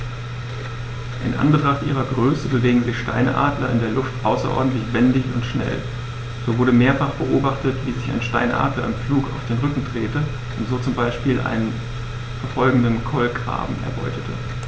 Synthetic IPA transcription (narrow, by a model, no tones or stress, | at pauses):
ʔɪnʔa̰nɡətʁ̥aχtʔḭːʁ̞ɐɡʁøːsəbəveːɡŋ̩zɪçʃta̰ɪnəʔa̰ːdlɐɪ̰ndeːɐlʊftʔaʊsɐ̰ʔɔ̰ɐdn̩tlɪçv̥ɛndɪçʊntʃnɛ̰l | z̥oːvʊɐɾəmeːɐfaχb̥əʔoːbaχtətv̥iːzɪçaɪnʃta̰ɪnʔa̰ːdlɐ̰ɪnfluːkaʊfd̥eːnʁʏkŋ̩dʁeːtə | ʔʊntz̥oːt͡sʊmbaɪʃpiːlʔa̰ɪnən | fɛɐfɔlɡŋ̩dənkʰɔlɡʁa̰ːbm̩ɛ̰ɐbɔ̰ʏtətʰə̰